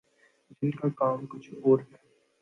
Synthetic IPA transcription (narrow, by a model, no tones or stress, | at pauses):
d͡ʒɪnkakaːmkʊt͡ʃʰoːɾɦɛː